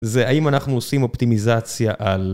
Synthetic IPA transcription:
zeaimanaχnuosimopt̪imizat͡sjaʔal

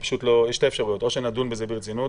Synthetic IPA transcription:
pḁʃutlojeʃteɛfʃaʁujot̪oʃenadunbəzebiʁt͡sinut

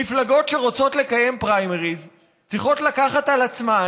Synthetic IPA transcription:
iflaɡo̞tʃe̞ʁo̞t͡so̞t̪le̞kaje̞mpʁajmeʁiz | t͡sʁiχo̞t̪lakaχatalat͡sma

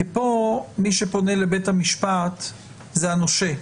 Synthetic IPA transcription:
epo̞miʃepo̞nelebe̞thamiʃpat̪ | zeanoʃe

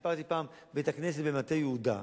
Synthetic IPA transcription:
paʁt̪ipaːmbet̪aknes̬et̪bemat̪ejeud̪a̰

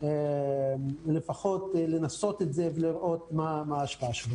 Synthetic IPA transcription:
emlefaχo̞t̪lenaso̞t̪etzeveliʁʔo̞t̪mamaːʃpaaʃu

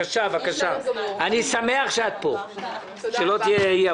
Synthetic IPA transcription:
aʃavakaʃaanisame̞aχʃeat̪̚po̰ | ʃelo̞t̪ijeije

